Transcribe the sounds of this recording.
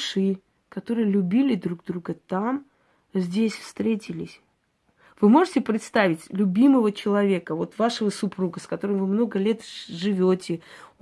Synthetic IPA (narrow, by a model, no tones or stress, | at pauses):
ʂɨ | kɐt̪o̞ɾɨjəlʲʊbʲilʲɪd̪ɾuɡ̚d̪ɾuɡət̪am | zʲdʲesʲfst̪ɾʲetʲɪlʲɪsʲ | vɨmo̞ʐɨtʲɪpɾʲɪt̪st̪avʲɪtʲlʲʊbʲiməvət͡ɕɪlˠɐvʲe̞kəvo̞t̪vaʂəvəsʊpɾuɡəskɐt̪o̞ɾɨmvɨmno̞ɡəlʲe̞t̪ʐɨvʲotʲɪ